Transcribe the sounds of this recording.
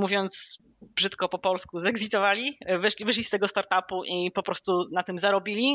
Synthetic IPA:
muvʲjɔnt̪s | bʐɘt̪kɔpɔpɔlskuzɛɡzʲit̪ɔvalʲivɘʂlʲivɘʂ̬lʲist̪ɛɡɔst̪aɾt̪apuʔipɔpɾɔst̪unat̪ɘmzaɾɔbʲilʲi

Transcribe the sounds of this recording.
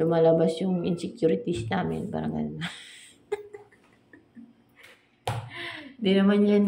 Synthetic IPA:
ʊmalabasjʊŋɪnsɛkjuːɾɪt̪isnaːmɪ̰npa̰ɾɐ̰ŋʔɐ̰nma | nd̪inɐmanjan

